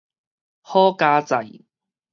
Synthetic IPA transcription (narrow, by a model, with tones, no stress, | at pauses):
hɔː˥kaː˥t͡sɐ˨˩j